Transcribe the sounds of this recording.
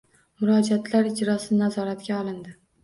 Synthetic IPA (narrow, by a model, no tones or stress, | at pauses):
mʊɾɒd͡ʒat̪ʰlaɾɪd͡ʒɾɒsɪnazɒɾat̪ɡʲaɒlˠɪnd̪ɪ